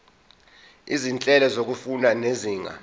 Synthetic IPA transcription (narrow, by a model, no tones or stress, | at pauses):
izint͡ɬʼɛlɔzok̬ufunaneziːŋʱa̰